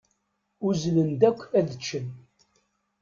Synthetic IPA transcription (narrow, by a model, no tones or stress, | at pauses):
uzlənd̪ækʷːæðət͡ʃːən